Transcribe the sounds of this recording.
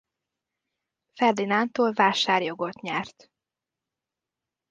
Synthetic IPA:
fɛrd̪inant̪oːlvaːʃaːrjo̞ɡo̞t̪ɲɛrt̪

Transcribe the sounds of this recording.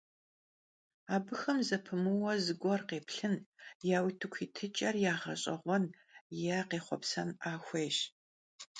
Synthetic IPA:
aːbɨxɐmzɐpʰɨmɨwɐzɨɡʷɔrqeːpɬɨnjaːwitʰɨkʷʰiːtʰɨt͡ʃʼɐrjaːʁɐ̰ɕʼɐ̰ʁʷɔn | jaːqeːχʷɔ̰psɐnaːxʷeːjɕ

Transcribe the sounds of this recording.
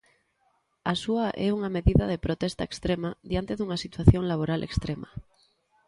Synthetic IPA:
asuaʔeuŋame̞ðiðað̞epɾot̪est̪aekst̪ɾemaðjant̪e̞ðuŋasit̪waθjoŋlaβ̞oɾalʔekst̪ɾema

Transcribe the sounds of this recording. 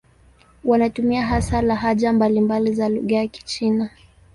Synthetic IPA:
wanatumiaɦasalaɦaʄambalimbalizalṵɣajaki̥t͡ʃina

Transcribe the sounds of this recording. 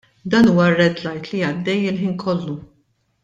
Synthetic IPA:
d̪ɐːnuːwɐrɛd̪lɐjt̪liɐd̪ːɛjɪlħiːnkʰɔlːu

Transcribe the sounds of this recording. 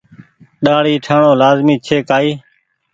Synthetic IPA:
ɗaːɽiːʈʰaːɳoːlaːzmiːt͡ʃʰeːkaːiː

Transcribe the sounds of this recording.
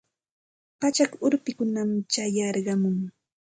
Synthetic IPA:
pat͡ʃakʊɾpɪkʊnamt͡ʃajɑɾɢɑmʊŋ

